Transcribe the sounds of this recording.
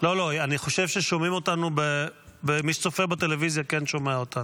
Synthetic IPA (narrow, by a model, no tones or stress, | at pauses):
lo̞lo̞ianiχo̞ʃe̞vʃeʃomimo̞t̪anubebemiʃt͡sofebat̪e̞levizjakenʃomeaot̪anu